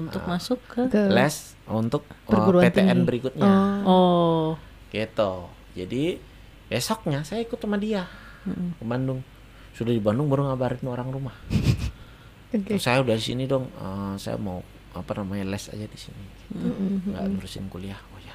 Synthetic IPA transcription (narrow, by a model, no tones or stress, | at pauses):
unt̪ʊmasʊkːəlɛs | unt̪ʊk̚əruɾuapet̪eɛnbəɾikʊt̪̚ɲao | ɡ̥it̪u | d͡ʒadi | besɔk̚ɲasajaikʊt̪ːəmadia | kəbandʊŋ | sudahdibandʊŋbəɾʊŋabaɾɪnoɾaŋrumah | ʊsajaudadisḭnidɔŋəsa̰ja̰mau | a̰panamaɲalɛsa̰d͡ʒadisḭniɡ̥i̥t̪uŋɡa̰ʔnuɾusɪ̰nkuliahoja